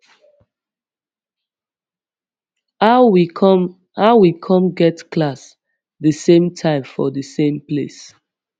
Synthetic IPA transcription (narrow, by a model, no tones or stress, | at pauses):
a | haʊwikʰɔ̃mɡɛtkʰlas | ðəsẽmtʰãɪ̃mfɔ̰dəsẽmplḛs